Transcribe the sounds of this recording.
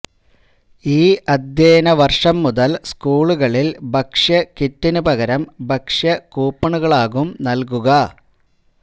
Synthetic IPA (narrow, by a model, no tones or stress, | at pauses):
iːʔɐd̪ʱjeːnɐʋɐrʂɐmːuðɐlskuːɭuɣɐɭilbʱɐkʂjɐkitːinubɐɣɐɾɐmbʱɐkʂjɐkuːpːɐɳuɣɐɭaːɣumnɐlkuɣɐ